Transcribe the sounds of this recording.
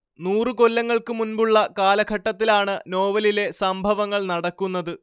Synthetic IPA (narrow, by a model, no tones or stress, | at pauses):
nuːrɨko̞lːɐŋːɐɭkɨmunbuɭːɐkaːlɐɡʰʱɐʈːɐt̪ːilaːɳɨno̞ːʋɐlile̞sɐmbʱɐʋɐŋːɐɭnɐɽɐkːunːɐðɨ